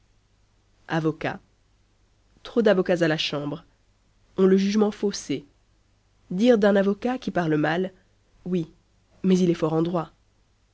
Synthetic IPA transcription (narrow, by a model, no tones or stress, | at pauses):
avɔka̰ | t̪χod̪avɔkazalaʃɑ̃bʁ | ɔ̃ləʒyʒmɑ̃fose | d̪iʁd̪ɛ̃navɔkakʲipaʁləmal | wi | mɛzilɛfɔʁɑ̃d̪ʁwa